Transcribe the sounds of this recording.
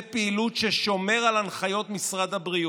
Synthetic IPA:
piːlutʃeʃo̞me̞ʁalanχajo̞t̪misʁad̪abʁi

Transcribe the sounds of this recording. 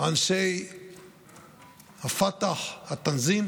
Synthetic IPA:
anʃej | hafat̪aχhat̪anzim

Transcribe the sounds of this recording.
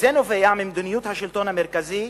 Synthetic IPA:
zenovejamimd̪unijut̪haʃilt̪onhameɾkazi

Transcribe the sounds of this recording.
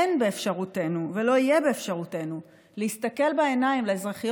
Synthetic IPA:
nbeːfʃaʁute̞nuvelo̞ijebe̞ːfʃaʁute̞nu | leistake̞lbaenaimleezʁaχij

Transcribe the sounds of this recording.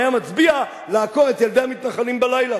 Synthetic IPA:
jamat͡sbia | laako̞ʁet̪jeld̪eamit̪naχalimbalajla

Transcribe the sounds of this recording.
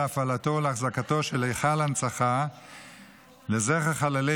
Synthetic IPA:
afalatoleaχzakatoʃelejχalant͡saχa | lezeχaχalale

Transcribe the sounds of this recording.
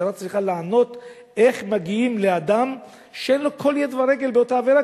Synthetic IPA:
eɾat͡sʁiχalaːno̞t̪ | e̞χmaɡiimlead̪am | ʃeenlo̞kʰo̞ljed̪vaɾe̞ɡe̞lbeotaːveɾa

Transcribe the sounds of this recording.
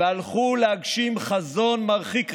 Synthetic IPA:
ealχulehaɡʃimχazo̞nmaʁχik

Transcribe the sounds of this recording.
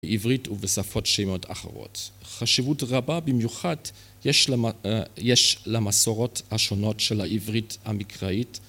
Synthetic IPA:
ʔivʁituvesafo̞tʃemo̞tʰa̰χḛʁo̰tχaʃivutʁababimjuχad | jeʃ | jeʃlamasoʁo̞thaʃonotʃelhaʔivʁithamikʁait

